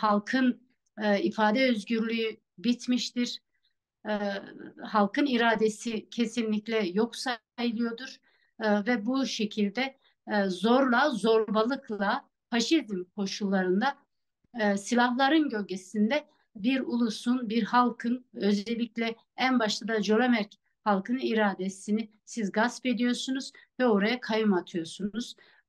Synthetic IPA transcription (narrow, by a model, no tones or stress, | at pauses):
halˠkʰɯnː | ifaːd̪ɛøzɟyɾlʲyjy | bit̪miʃt̪iɾ̥ | halˠkʰɯniɾaːd̪esicʰe̞sinlʲiclʲɛjo̞ksa | jɯlˠɯjo̞d̪uɾ̥ | vɛbuʃe̞cʰilʲd̪ɛ | zoɾlˠazo̞ɾbalˠɯklˠa | faʃizmkʰo̞ʃulˠːaɾɯnd̪a | silʲaɦlˠaɾɯnɟø̞lʲɟʲesind̪ɛ | biɾulˠusunbiɾhalˠkʰɯnø̞zɛlʲːiclʲɛ | ænbaʃt̪ʰad̪ad͡ʒo̞lʲˠamæɾc | halˠkʰɯnɯiɾaːd̪esini | sizɡaspe̞d̪ijo̞sunuz̥vɛo̞ɾajakʰajɯmat̪ʰɯjo̞sunuz̥